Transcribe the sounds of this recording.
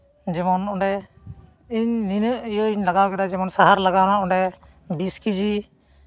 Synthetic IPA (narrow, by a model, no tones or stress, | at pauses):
d͡ʒɛmɔnɔɳɖɛ | iɲninəʔijəiɲlaɡawkɛd̪ad͡ʒɛmɔnsaɦaɾlaɡawnaʔɔɳɖɛ | biskid͡ʒi